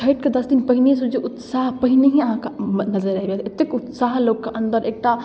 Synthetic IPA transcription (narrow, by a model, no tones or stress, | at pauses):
ɐɪʈked̪ɐsd̪inpɐɦɪnes̬ud͡ʒeʔʊt̪saːɦpɐɦɪneɦiɐɦãkanɐzəɾaɦiɡɦt̪ʰeɪt̪ːekʊt̪saːɦloːɡkeʔɐ̃nd̪əɾeːk̚ʈa